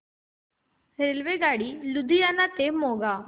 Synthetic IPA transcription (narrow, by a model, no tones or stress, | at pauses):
ɾelʋeːɡaːɽiːlʊd̪ijaːnat̪eːmɦoːɡaː